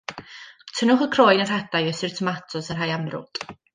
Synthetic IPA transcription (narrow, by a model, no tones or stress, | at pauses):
tʰənʊχəkʰroːjnər̥hɛdajəsɪrtʰəmatʰɔsər̥ɦajamrʊ̰d̥